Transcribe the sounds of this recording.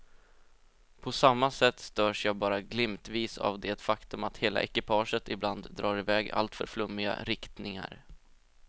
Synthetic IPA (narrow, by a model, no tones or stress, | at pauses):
pʰɔsamːasɛt̪ːst̪œːʂjɑːɡbɑːɾaɡlɪmt̪viːsa̰vd̪ɛt̪fakt̪ɵmat̪heːla̰ʔɛkɪpʰɑːʂət̪ɪbland̪ːɾɑːɾɪvɛːɡa̰lt̪fœ̰ɾflɵmːɪɡa̰ɾɪkt̪nɪŋa̰ɾ